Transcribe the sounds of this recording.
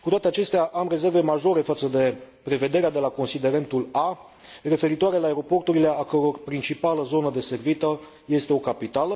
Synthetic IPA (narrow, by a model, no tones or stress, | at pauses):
kut̪oat̪eat͡ʃe̞st̪eaʔamre̞ze̞rve̞maʒo̞ɾe̞fat̪səd̪e̞ | pɾe̞ve̞d̪e̞ɾead̪e̞lako̞nsid̪e̞ɾe̞nt̪ula | re̞fe̞ɾit̪oaɾe̞laeɾo̞po̞rt̪uɾile̞akəɾo̞rpɾint͡ʃipaləzo̞nəd̪e̞se̞rvit̪ə | je̞st̪e̞o̞kapit̪alə